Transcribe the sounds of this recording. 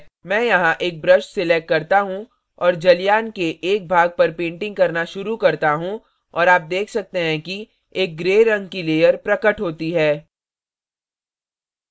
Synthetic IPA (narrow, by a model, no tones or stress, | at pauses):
mɛ̃ːjɐɦãʔeːk̚bɾɐʃʈsɪleːk̚kɐɾt̪aɦũ | ɔːɾd͡ʒɐlijaːnkeʔeːk̚bʱaːɡ̚pɐɾpẽːɳʈɪ̃ŋɡ̚kɐɾnaʃʊɾukɐɾt̪aɦũ | ɔːɾaːp̚d̪eːkʰsɐk̚t̪eɦɛ̃ki | eːk̚ɡɾeːɾɐ̃ŋɡ̚kileːjəɾpɾɐkəʈɦoːt̪iɦɛː